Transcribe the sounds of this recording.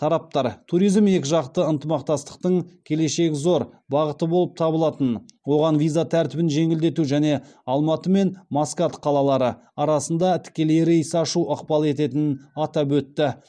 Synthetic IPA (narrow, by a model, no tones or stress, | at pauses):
t̪ʰɑɾɑp̚t̪ɑɾt̪ʰuɾijzme̞kʲɪʒɑqt̪əənt̪əmɑq̚t̪ɑst̪ə̥q̚t̪əɴkʲʰe̞le̞ʃe̞kʲɪzo̞ɾ | bɑʁət̪əbo̞lˠəp̚t̪ʰɑbəlˠɑt̪ənwo̞ʁɑnvijzat̪ʰæɾt̪ɪbɪnʒe̞ŋɪld̪e̞t̪uʒæne̞ | ɑlˠmɑt̪əme̞nmaskat̪qʰɑlˠɑlˠɑɾə | ɑɾɑsənd̪ɑt̪ʰɪ̥kʲe̞leɾɪəsɑʃuʔəqpɑlˠe̞t̪e̞t̪ɪnɑt̪ɑbwɵt̪ːɪ